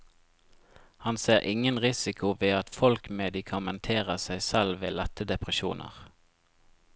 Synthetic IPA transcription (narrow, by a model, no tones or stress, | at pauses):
hɑnseːʁʔɪŋənʁɪsɪkʰʊʋeːɑt̪fɔlkmɛd̪ɪkʰɑmɛnt̪ʰeːʁəsæɪsɛlʋeːlɛt̪əd̪ɛpʁəʃṵːnʔə̰ʁ